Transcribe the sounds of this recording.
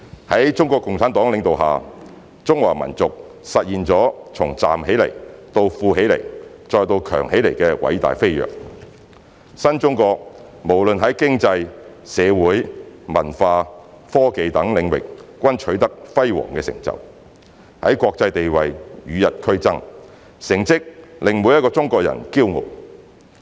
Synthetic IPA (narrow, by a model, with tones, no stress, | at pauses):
hɐ˨˥jt͡sʊ˥ŋkɔː˧kːʊ˨ŋt͡sʰaː˨˥nt̪ɔː˨˥ŋlɪ˨˧ŋt̪o˨wɦaː˨ | t͡sʊ˥ŋwa̰ː˨˩mɐ̰˨˩nt͡sʊ˨k̚ | sɐ˨t̚jiː˨nt͡sɔː˨˥t͡sʰʊ˨˩ŋt͡sa̰ː˨mɦe˨˥jle˨˩jt̪o˧wfuː˧ɦe˨˥jlḛ˨˩j | t͡ʃɔː˧jt̪o˧wkʰœː˨˩ŋhe˨˥jle˨˩jkɛː˧wʔɐ̰˨˧˥jt̪a̰ː˨jfe˥jjœ̰ː˨˩k̚ | sɐ˥nt͡sʊ˥ŋkɔː˧k̚ | mo˨˩wlɵ˨nɦɐ˨˥jkɪ˥ŋt͡sɐ˧jsɛː˨˧wuː˨˥jmɐ˨˩nfaː˧ | fɔː˥ke˨˧jt̪ɐ˨˥ŋlɪ˨˧ŋwɪ̰˨k̚kːʷɐ˥nt͡ʃʰɵ˨˥ɥt̪ɐ˥k̚fɐ˥jwɔ̰ː˨˩ŋkɛː˧sɪ̰˨˩ŋt͡sɐ̰˨˩w | hɐ̰˨˥jkʷɔː˧k̚t͡sɐ˧jt̪e˨jwɐ˨jjyː˨˧jɐ˨t̚kʰɵ˥ɥt͡sɐ˥ŋ | sɪ˨˩ŋt͡sɪ˥k̚lɪ˨ŋmu˨˧jɐ˥tkɔː˧t͡sʊ˥ŋkɔː˧k̚jɐ̰˨˩nkiː˥wŋo̰˨˩w